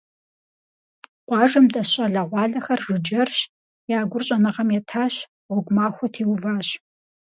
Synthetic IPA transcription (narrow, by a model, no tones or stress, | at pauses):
qʷɑːʐɨmdɐɕʼɐɮɐʁʷɑːɮɐxɐrʐɨd͡ʒɐrɕ | jaːɡʷʊrɕʼɐnɐʁɐmjɛtʰaːɕ | wʷʊɡʷʊmaːxʷɔtʰiːwvaːɕ